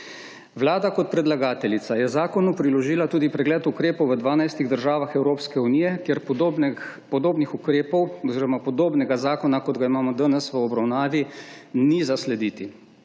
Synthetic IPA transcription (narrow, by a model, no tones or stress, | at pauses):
ʋlaːd̪akɔt̪̚pɾɛd̪laɡaːt̪ɛlit̪sajɛzaːkɔnupɾilɔʒiːlat̪uːd̪ipɾɛɡlɛːt̪ukɾeːpɔwʋəd̪ʋaːnajst̪iɣd̪əɾʒaːʋaxɛwɾoːpskɛuniːjɛkjeɾp̪ | pɔd̪oːbnixukɾeːpɔwɔziːɾɾɔmapɔd̪oːbnɛɡazaːkɔnakɔd̪ɡaimaːmɔd̪ənɛsʋəɔbɾawnaːʋinizaslɛd̪iːt̪i